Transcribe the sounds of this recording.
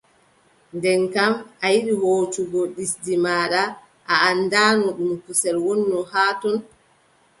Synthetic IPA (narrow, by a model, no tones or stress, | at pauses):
ndɛnkamʔajiɗihoːtuɡɔɗisdimaːɗa | ʔaːnːdanɔɗumkusɛlwɔnːɔhaːtɔn